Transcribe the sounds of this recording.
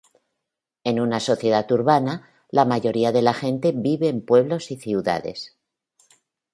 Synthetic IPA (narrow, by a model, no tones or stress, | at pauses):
e̞nunaso̞θje̞ðat̪uɾβana | lamaʝo̞ɾiaðe̞laxe̞nt̪e̞βiβe̞ːmpwe̞β̞lo̞siθiuða̰ðe̞̰s